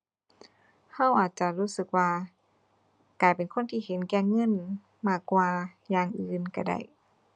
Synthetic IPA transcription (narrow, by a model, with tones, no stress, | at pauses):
ha˧˥˩wʔaː˨˩t̪̚t͡ɕa˧˨ɾuː˧˥˨sɯ˨˩k̚waː˧ | kaː˨˩jpe˨nkʰo˧˥˨nt̪ʰiː˧˩he˨˦nkɛː˧˩ŋːɤ˧˥˨n | maː˧˩kːwaː˧jaː˨˩ŋʔɯː˨˩nka˧˩da̰˧˩j